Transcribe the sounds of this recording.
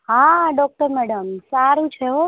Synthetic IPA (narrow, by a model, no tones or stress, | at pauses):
ɦãɖɔk̚ʈəɾmɛɽəmsaɾũt͡ʃʰeɦo